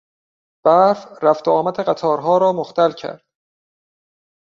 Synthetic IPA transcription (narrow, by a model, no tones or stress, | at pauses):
b̥æfræft̪ʰoɒːmæt̪ʰeɢæt̪ʰɒːɾɦɒːɾɒːmoxt̪ʰælcʰæ̰ɾd̪̥̚